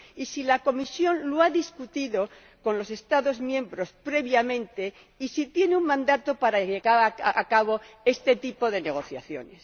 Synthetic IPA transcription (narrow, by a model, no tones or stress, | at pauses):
isilako̞misjo̞nloaðiskut̪iðo̞ | ko̞nlo̞se̞st̪aðo̞zmjẽ̞mbɾo̞spɾe̞βjamẽ̞nt̪e̞ | isit̪je̞neuŋmãnd̪at̪o̞paɾaʝeɣaɾakaβ̞o̞e̞st̪e̞t̪ipo̞ðe̞neɣ̞o̞θjaθjo̞̰ne̞s